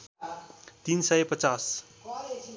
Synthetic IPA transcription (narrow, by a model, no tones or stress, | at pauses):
t̪insʌjpʌt͡sas